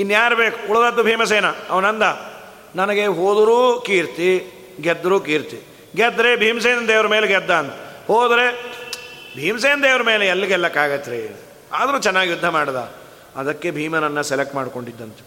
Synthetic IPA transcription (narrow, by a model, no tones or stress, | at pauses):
inːjaːɾbeːkuuɭd̪ɐd̪ːubʱiːmɐs̬eːnɐɐʋɐnɐnd̪ɐ | nɐnɐɡeɦoːd̪uɾuːkiːɾt̪i | ɡɛd̪ːɐɾuːkiːɾt̪i | ɡɛd̪ːɾebʱiːms̬eːnɐnd̪eːʋɐɾɐmeːleɡɛd̪ːaːnt̪ɐhoːd̪ɾe | bʱiːms̬eːnd̪eːʋɐɾɐmeːleɛlːiɡɛlːɐkaːɡɐt̪ːɾe | a̰ːd̪ɐɾuːt͡ʃɛnːaːɡijud̪ʱːɐmaːɽd̪a̰ | ɐd̪ɐkːebʱiːmɐnɐnːɐselek̚ʈmaːɽkoɳɖid̪ːɐnt̪e̥